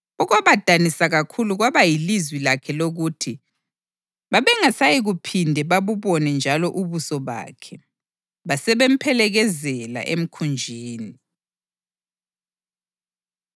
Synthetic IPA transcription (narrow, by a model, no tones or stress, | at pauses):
ɔɣaβad̥ʱanisaɣakʰuluɣwaβajilizwilakʰɛloɣutʰi | βaβɛŋasajiɣupʰindʱɛβaβuβɔnɛnd͡ʒʱalɔʔuβusɔβa̰ːkʰɛ | βasɛβem̩pʰɛlɛɣɛzɛla̰ʔḛm̩kʰund͡ʒʱiːni